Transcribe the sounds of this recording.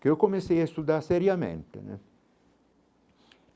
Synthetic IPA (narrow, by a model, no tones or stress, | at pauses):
keɔkːomesɛɛst̪ud̪asɛɾjamḛnt̪ḛnɛ̰